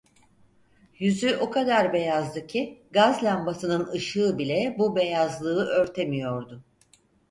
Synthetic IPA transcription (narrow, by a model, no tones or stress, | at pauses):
jyzyʔokʰad̪aɾbe̞jazd̪ɯcʰiɡazlʲambasɯnɯnɯʃɯːbilʲɛbube̞jazlˠɯɯʔø̞ɾt̪ʰe̞mijo̞ɾd̪ʊ